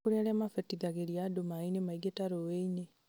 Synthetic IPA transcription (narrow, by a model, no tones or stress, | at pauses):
uɾelemafetiɡaɣeɾjadomainemaiɡetaɾoweiɲe